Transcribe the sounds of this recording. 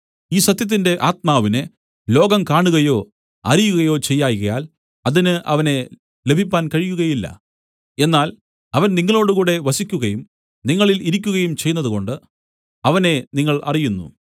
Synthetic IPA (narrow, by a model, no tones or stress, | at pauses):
iːsɐt̪jɐt̪̬ːinde̞ʔaːt̪̚maːʋine | lo̞ːɡɐmkaːɳuɣɐjo̞ː | ɐrijuɣɐjo̞ːt͡ɕe̞jːaːjɣɐjaːl | ɐðinɨʔɐ̰ʋɐne̞ | le̞bʱipʲːaːnkɐɻijuɣɐjilːɐ̰ | e̞nːaːl | ɐʋɐnniŋːɐɭo̞ːɽukuːɽe̞ʋɐsikʲːuɣɐjum | niŋːɐɭiliɾikʲːuɣɐjumt͡ɕe̞jnːɐðuko̞ɳɖɨ | ɐʋɐne̞niŋːɐɭʔɐ̰rijunːṵ